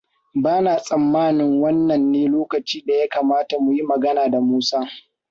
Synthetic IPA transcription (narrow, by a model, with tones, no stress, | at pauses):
baː˦naː˨sʼɐ˨mːaː˦nɪ˨ŋwɐ˦nːɐ˨nːeː˦loː˦kɐ˨t͡ʃiː˦da˨ja˦kaː˨maː˦ta˨mʊ˨ji˦mɐ˨ɡɐ˦naː˨da˨muː˦saː˦